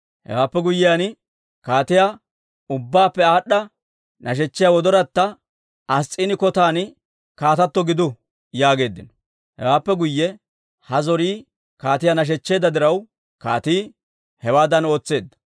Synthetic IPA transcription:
hɛ̰waːpːɛɡʊjːɪjan | kaːt̪ɪja | ʊbːaːpːɛaːɗːɐ | nɐʃ̬ɛt͡ʃːɪjawɔd̪ɔɾɐt̪ːɐ | ɐst͡sʼːiːnɪkɔt̪aːn | kaːt̪ɐt̪ːɔɡɪd̪ʊ | jaːɡe̞ːd̪ːɪnɔ̥ | hɛ̰waːpːɛɡʊjːɛ | hɐzɔɾiː | kaːt̪ɪjanɐʃ̬ɛt͡ʃːe̞ːd̪ɐd̪ɪɾɐw | ka̰ːt̪iː | hɛwaːd̪ɐno̞ːt͡sːe̞ːd̪ːɐ̥

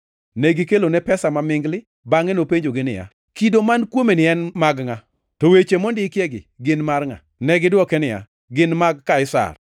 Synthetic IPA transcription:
nɛɡɪkelonɛpɛsamamɪŋɡlɪ | baŋenopeɲd͡ʒoɡɪnɪ̰ja̰ | kidomankwomenɪɛnmaɡŋa | tɔwet͡ʃemɔndɪkjeɡɪ̰ɡɪnmarŋa̰ | nɛɡɪdwɔkɛnɪja̰ | ɡɪnmaɡ̚kaɪsa̰r

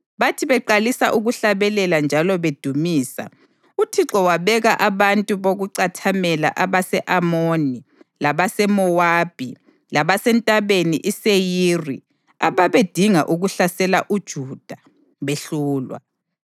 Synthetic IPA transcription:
βatʰiβɛǃalisaʔuɣuɬaβɛlɛland͡ʒʱalɔβed̥ʱumiːsa̰ | utʰiǁɔwaβɛɣaʔaβantʼuβoɣuǀatʰamɛla̰ʔaβasɛʔamonilaβasɛmɔwaːb̥ʱi | laβasɛntʼaβenḭʔisejiːri | aβaβed̥ʱiŋa̰ʔuɣuɬasɛlaʔud̥ʒ̥ʱud̥ʱa | βeɬuːlwa̰

